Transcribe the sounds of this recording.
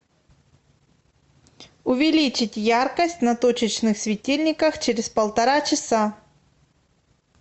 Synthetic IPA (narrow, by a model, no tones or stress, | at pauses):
ʊvʲɪlʲit͡ɕɪtʲjarkəsʲtʲnɐt̪ot͡ɕɪt͡ɕnɨxsʲvʲɪtʲilʲnʲɪkəxt͡ɕɪɾʲɪspəlˠt̪ɐɾat͡ɕɪsa